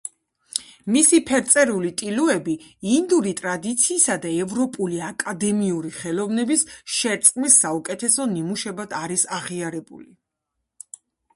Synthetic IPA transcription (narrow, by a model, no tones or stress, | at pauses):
misipʰɛɾt̪sʼɛɾulit̪ʼiluɛbiːnd̪uɾit̪ʼɾad̪it̪sʰiːsad̪aɛvɾɔpʼuliakʼad̪ɛmiuɾiχɛlɔvnɛbisʃɛɾt̪sʼqʼmisːaukʼɛt̪ʰɛsɔnimuʃɛbad̪ʰaɾisaʁiaɾɛbṵli